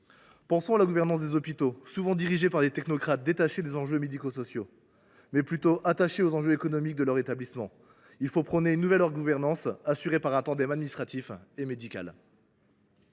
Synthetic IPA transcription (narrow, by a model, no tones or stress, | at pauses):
pɑ̃sɔ̃alaɡuvɛʁnɑ̃s̬d̪ezɔpit̪osuvɑ̃d̪iʁiʒepaʁlet̪ɛknɔkχat̪̚d̪et̪aʃed̪ezɑ̃ʒømed̪ikosɔsjo | mɛplyt̪oʔat̪aʃeozɑ̃ʒøekɔnɔmik̚d̪əlœʁet̪ablismɑ̃ | ilfopχɔneynːuvɛlɔʁɡuvɛʁnɑ̃sasyʁepaʁɛ̃t̪ɑ̃d̪ɛmad̪minist̪χat̪ifemed̪ikʲa̰l